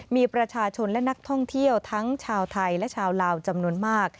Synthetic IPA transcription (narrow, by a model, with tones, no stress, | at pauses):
miː˧pɾa˧t͡ɕʰaː˧t͡ɕʰo˧nlɛ˦˥na˦˥k̚t̪ʰɔ˥˩ŋt̪ʰi˥˩əwt̪ʰa˦˥ŋt͡ɕʰaː˧wt̪ʰa˧jlɛ˦˥ʔt͡ɕʰaː˧wlaː˧wt͡ɕa˧mnu˧ənmaː˥˩k̚